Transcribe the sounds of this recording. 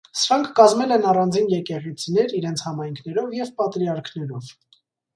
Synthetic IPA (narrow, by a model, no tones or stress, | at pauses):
səɾɑŋkʰːɑzmɛlɛnɑrɑnd͡zinjɛkɛʁit͡sʰinɛɾiɾɛnt͡sʰhɑmɑjŋkʰnɛɾɔvjɛvpɑt̪ɾiɑɾkʰnɛɾɔv